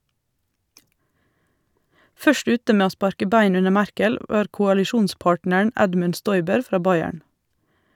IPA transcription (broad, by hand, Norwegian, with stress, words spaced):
ˈfœʃt ˈʉːtə ˈmeː ˈoː ˈspɑɾkə ˈbæɪn ˈʉnə ˈmæɾkəl ˈʋɑːɾ kʊɑlɪˈʃuːnˌspɑːʈnəɳ̩ ˈɛdmʉn ˈʃtɔʏbəɾ ˈfɾɑː ˈbɑɪæɳ